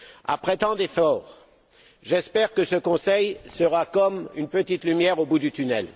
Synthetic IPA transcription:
a̰pχɛt̪ɑ̃d̪efɔːʁ | ʒɛspɛʁkəsəkɔ̃sɛjsəʁakɔmynpət̪it̪lymjɛʁobud̪yt̪ynɛl

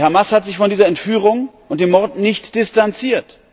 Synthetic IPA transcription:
haɐmashatz̥ɪçfɔndiːzɐɛntfyːʁ̞ʊŋʔʊnt̚d̥eːmːɔɐdnɪçtd̥ɪstant͡siːɐt

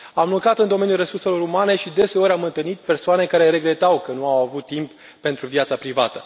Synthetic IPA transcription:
amlukɾat̪ɨnd̪o̞me̞njulre̞surse̞lo̞ɾumane̞ʃid̪e̞se̞o̞ɾʲamɨnt̪ɨlnit̪̚pe̞rsoane̞kaɾe̞ɾe̞ɡɾe̞t̪awkənuawavut̪ːimp | pe̞nt̪ɾuvjat̪sapɾivat̪ə

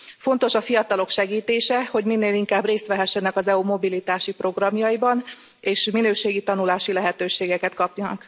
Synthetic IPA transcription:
fo̞n̪t̪o̞ʃɒfijɒt̪ɒlo̞kʃɛɡiːt̪eːʃɛho̞ɟminːeːliŋkaːbreːst̪ʋɛɦɛʃːɛnɛkɒzɛumo̞bilit̪aːʃipro̞ɡrɒmjɒibɒn | eːʃminøːʃeːɡit̪ɒnulaːʃilɛɦɛt̪øːʃeːɡɛkɛt̪kɒpjɒnɒ̰k

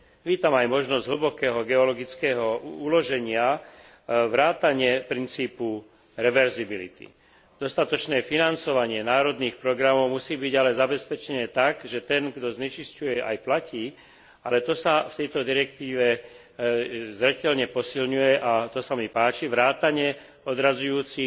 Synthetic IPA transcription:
ʋiːt̪amajmɔʒnɔzɟɦl̩bɔkɛːɦɔɡɛɔlɔɡit͡skɛːɦɔulɔʒɛɲɪa | ʋɾaːt̪aɲɪɛpɾint͡siːpu | ɾɛʋɛɾzibilḭt̪ḭ | d̪̥ɔst̪at̪ɔt͡ʃnɛːfinant͡sɔʋaɲɪɛnaːɾɔd̪niːxpɾɔɡɾamɔʊmusiːbiɟalɛzabɛspɛt͡ʃɛnɛːt̪aɡʒɛt̪ɛnɡd̪ɔzɲɛt͡ʃiscujɛʔa̰jplaciː | alɛt̪ɔsaft̪ɛjt̪ɔd̪iɾɛkt̪iːʋɛ | zɾɛcɛlɲɛpɔsilɲujɛʔat̪ɔsamipaːt͡ʃiʋɾaːt̪aɲɛ | ɔd̪ɾazujuːt͡si

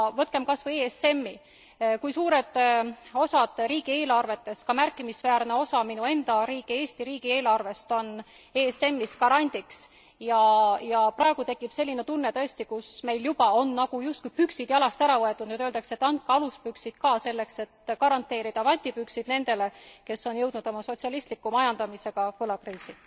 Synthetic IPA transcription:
vɤt̪̚ke̞mkɑsvɤeːese̞mːi | kujsuːɾe̞d̪̥o̞sɑd̪̥ɾiːɡ̥ie̞ːlɑrve̞t̪ːe̞skɑmærkːˑimisvæːrne̞o̞sɑminue̞nd̪ɑɾiːɡie̞ːsʲt̪iɾiːɡ̥ie̞ːlɑrve̞st̪o̞n | e̞ːse̞mːiskɑɾɑnʲd̪̥iks | jɑjɑprʔɑe̞ɡ̥ut̪e̞kːˑipse̞lʲːinet̪unːet̪ɤ̞est̪ikusme̞jljubɑo̞nːɑɡ̥ujust̪̚kujpyksid̪̥jɑlɑst̪æɾɑvɤe̞t̪ːˑud̪nyd̪øld̪ɑkse̞t̪ːˑɑnt̪̚kɑɑluspyksid̪̥̚kɑːse̞lːe̞kse̞t̪kɑɾɑnt̪ːˑe̞ːɾid̪̥ɑvɑnʲt̪ipyksid̪̥ne̞nd̪̥e̞le̞ke̞sːo̞njɤwd̪nud̪̥omɑso̞t̪siɑlist̪likːˑumɑjɑnd̪̥ɑmise̞ɡ̥ɑpɤlɑkriːsi

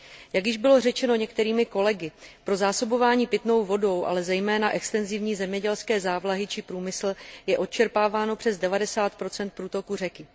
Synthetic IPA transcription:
jaɡjɪʒbɪlo̞rɛt͡ʃɛno̞ɲɛk̚t̪ɛɾiːmɪko̞lɛɡɪpɾo̞zaːso̞bo̞vaːɲiːpɪt̪no̞wvo̞do̞wʔa̰lɛzɛjmɛːnaʔɛkst̪ɛnzɪvɲiːzɛmɲɛɟɛlskɛːzaːvlaɦɪt͡ʃɪpɾuːmɪsl̩jɛʔo̞t̪̚t͡ʃɛɾpaːvaːno̞pr̝̥ɛzdɛvadɛsaːt̪̚pɾo̞t͡sɛnt̪̚pɾuːt̪o̞kur̝ɛkɪ

